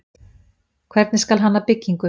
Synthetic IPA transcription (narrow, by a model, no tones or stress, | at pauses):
kʰvɛɾt̪nɪskalɦanːapɪcːiŋkʏ